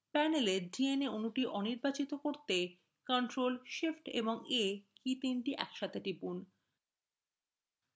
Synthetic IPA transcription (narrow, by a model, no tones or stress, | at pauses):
pɛneleɾd͡ʑieneonuʈiʔɔniɾbat͡ɕit̪okoɾt̪e | kɔɳʈɾolʃifʈḛboŋekit̪inʈiʔɛ̰kʃat̪ʰeʈibun